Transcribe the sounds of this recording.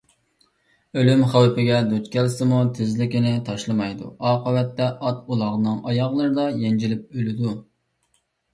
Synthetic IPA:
ølymχæwpɪɡʲɛd̪ot͡ʃ̪kʲʰɛlsɪmut̪ʰɪzlɪkʲɪnɪt̪ʰɑʃlˠɨmɑjd̪ṵɑːqəwɛt̪ːɛʔɑt̪̚ulˠɑʁnɨŋɑjɑʁlˠɨɾɨd̪ɑjɛnd͡ʒilɪp̚ølɪd̪u

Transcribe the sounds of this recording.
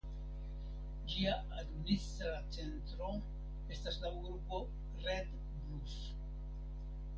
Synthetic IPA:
d͡ʒia | ad̪minist̪ɾat͡se̞nt̪ɾo̞ | e̞staslaɡɾupo̞ | red̪ | bɾus

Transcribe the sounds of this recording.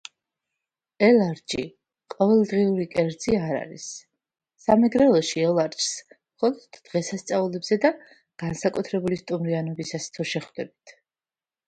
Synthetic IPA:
ɛlˠaɾd͡ʒḭ | qʼɔvɛlˠd̪ʁiuɾikʼɛɾd̪z̥iaɾa̰ɾḭsː | amɛɡɾɛlˠɔʃiɔlˠaɾt͡ʃʰsmχɔlˠɔd̪̥ːʁɛsast̪sʼaulɛbz̥ɛd̪a | ɡ̥ansakʼut̪ʰɾɛbulist̪ʼumɾianɔbisast̪ʰɔʃɛχd̪ɛbit̪ʰ

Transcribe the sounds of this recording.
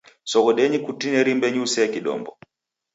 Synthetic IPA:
sɔkɔɗɛɲikutinɛɾimbɛɲusɛakiɗɔ̰mbɔ

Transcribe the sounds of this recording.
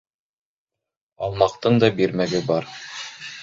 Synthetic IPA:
ɑlˠmɑqt̪ɤɴd̪ɑbiɾmæɡɘbɑɾ

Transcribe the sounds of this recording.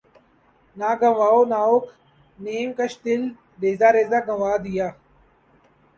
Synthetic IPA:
naːɡɐ̃ʋaːonaːokʰ | neːmkəʃt̪ɪl | ɾeːzaːɾeːzaːɡɐ̃ʋaːd̪ijaː

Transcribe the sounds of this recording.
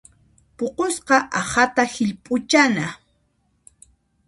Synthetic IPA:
poqosqɑʔahat̪ahɪʎpʼʊt͡ʃana

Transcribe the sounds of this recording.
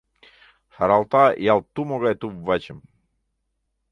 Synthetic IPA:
haɾalˠt̪ajalˠt̪umoɡajt̪uvat͡ɕɛm

